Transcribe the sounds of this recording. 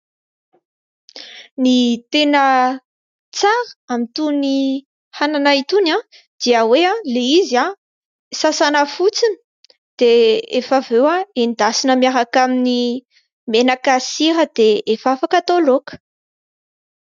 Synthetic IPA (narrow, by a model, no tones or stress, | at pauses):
nit̪enə | t͡saɾə̥amit̪uni | hananait̪una | d̪̥iəweãleizia | sasanəfut͡sini̥ | d̪̥eefavewaenid̪asinəmiaɾakamini | menakasiɾəd̪̥eefafakat̪olokə̥